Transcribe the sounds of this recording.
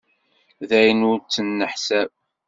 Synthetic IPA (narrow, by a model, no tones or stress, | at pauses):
ðæjənuɾt͡s̪ːənːəħsæb